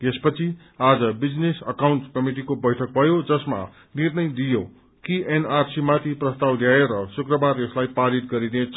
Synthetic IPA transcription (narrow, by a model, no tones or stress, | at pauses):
espʌt͡sʰi | ad͡zʌbid͡znesʌkawɳʈkʌmiʈ̬ikobʌjʈʰʌk̚bʱʌjod͡zʌsma̰ | nirnʌjd̪ijo | kiʔenarsimat̪ʰiprʌst̪awd̪ʱjaeɾʌsukrʌbareslajpaɾit̪̚ɡʌɾinet͡sʰʌ